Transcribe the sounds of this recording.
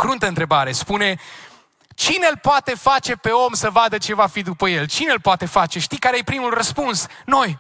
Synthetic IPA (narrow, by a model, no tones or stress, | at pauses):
kɾunt̪əɨnt̪ɾe̞baɾe̞spune̞ | t͡ʃinelpoat̪e̞fat͡ʃe̞pe̞o̞msəvad̪ət͡ʃe̞vafid̪upəje̞lt͡ʃine̞lpoat̪e̞fat͡ʃe̞ʃt̪ikaɾejepɾimulrəspuns | no̞j